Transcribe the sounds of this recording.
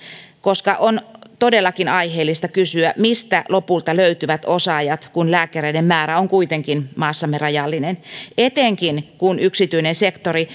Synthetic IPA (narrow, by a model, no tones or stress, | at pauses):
koskɑʔont̪odelːɑkinɑiheːlːist̪ɑkysyæmist̪ælopult̪ɑløyt̪yʋæt̪osɑjɑt̪kunlæːkæreidemmæːɾæoŋkuit̪eŋkinmɑːsːɑmerɑjɑlːinenet̪eŋkinkunyksit̪yinensekt̪ori